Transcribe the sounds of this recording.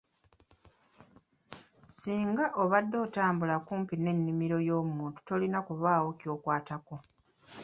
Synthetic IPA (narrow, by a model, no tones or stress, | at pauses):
siːŋɡaʔo̞βadːo̞ːtaːmbulakuːmpine̞nːimiɾo̞jo̞ːmuːntu̥to̞linakuβaːwo̞cjo̞ːkwaːtako̞